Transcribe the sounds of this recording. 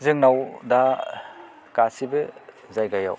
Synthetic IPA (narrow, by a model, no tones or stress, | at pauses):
zɯŋnawda | kasibɯ | zajɡaja̰w